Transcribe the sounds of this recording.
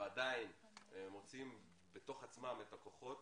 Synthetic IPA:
ad̪ain | emot͡sim | bet̪o̞χat͡smametako̞χo̞t̪

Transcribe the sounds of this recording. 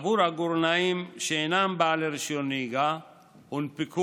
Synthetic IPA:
buɾaɡuɾnaimʃeːnaːmbaːleɾʃioniɡa | unpikʰu

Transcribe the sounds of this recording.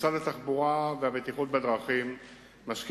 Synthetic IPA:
t͡sad̪at̪aχbuʁaveabet̪iχut̪bed̪ʁaχimː | aʃk

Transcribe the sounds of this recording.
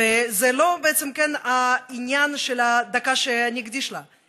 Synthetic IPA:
ezɛlo̞beɛt͡semkɛnainʲjanʃelad̪akaʃeanʲiɡd̪iʃla

